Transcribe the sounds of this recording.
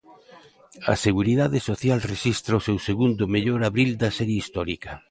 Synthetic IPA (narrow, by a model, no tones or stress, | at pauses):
ɐ̰seɣ̞uɾiðaðesoθjalreʃist̪ɾaosewseɣund̪ʊmeʎoɾaβɾild̪ɐasɛɾjeist̪ɔɾikɐ